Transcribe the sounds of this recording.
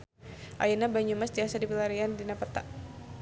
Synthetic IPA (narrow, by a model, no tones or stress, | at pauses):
ʔajinabaɲumasd̪iasadipilaɾiandinapət̪aʔ